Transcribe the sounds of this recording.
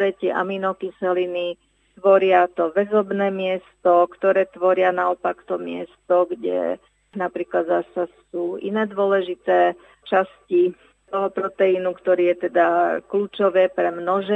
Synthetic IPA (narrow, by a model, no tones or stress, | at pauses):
ɾɛc̪ɪɛʔa̰minɔkisɛlini | t̪ʋɔɾɪat̪ɔʋɛzɔbnɛːmɪɛst̪ɔkt̪ɔɾɛːt̪ʋɔɾɪanaɔpakt̪ɔmɪɛst̪ɔɡɟɛ̰ | napɾiːklad̪zasasuːḭnɛːd̪ʊɔlɛʒit̪ɛː | t͡ʃasci | t̪ɔɦɔpɾɔt̪ɛinukt̪ɔɾiːjɛt̪ɛd̪akluːt͡ʃɔʋɛːpɾɛmnɔʒɛ